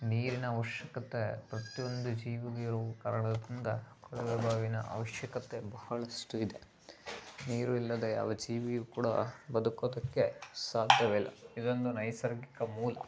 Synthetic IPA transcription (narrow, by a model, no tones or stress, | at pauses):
niːɾinɐːʋɐʃjɐkɐt̪epɾɐt̪ijo̞nd̪ud͡ʒiːʋiɡɐiɾuʋɐkɐːɾɐɳɐd̪ind̪ɐkɔɽɐʋebʱaːʋinɐ̰ʔɐ̰ʋɐʃjɐkɐt̪ebɐhɐɭɐsʈuid̪e | niːɾuilːɐd̪eja̰ːʋɐd͡ʒiːʋijukuːɽɐ̰bɐd̪ukoːd̪ɐkːe̞saːd̪ʱjɐʋɛlːɐ̰id̪o̞nd̪unɐjsɐɾɡikɐmuːlɐ